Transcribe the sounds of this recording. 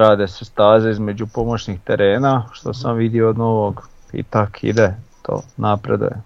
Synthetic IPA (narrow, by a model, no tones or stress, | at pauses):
ɾaːd̪esest̪aːzeizme̞d͡ʑupo̞mot͡ɕɲixt̪eɾʔeːnaʃt̪o̞samʋid̪ioːd̪noʋoɡ | ḭt̪akʰḭd̪et̪ʰo̰ːnapɾed̪ṵje